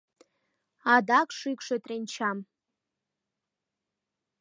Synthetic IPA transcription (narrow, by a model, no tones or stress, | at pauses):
adakʷʼʰʂɨjkʷʰʂatʼrent͡ʃʰam